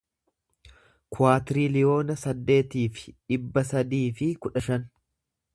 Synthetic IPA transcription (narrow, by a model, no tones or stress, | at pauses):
kʰʊaːt̪ɪɾiːlɪjo̞ːnɐsɐd̪ːe̞ːt̪iːfɪ̥ᶑɪbːɐsɐd̪iːfɪkʊᶑɐʃɐn